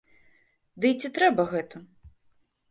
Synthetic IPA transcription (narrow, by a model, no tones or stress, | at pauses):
d̪ɨjt͡sʲit̪ɾɛbɐɣɛt̪ɐ